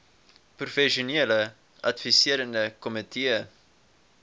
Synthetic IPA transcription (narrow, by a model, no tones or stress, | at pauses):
profɛʃoneələ | ʔɐtfisiəɾəndəkɔmitʰiə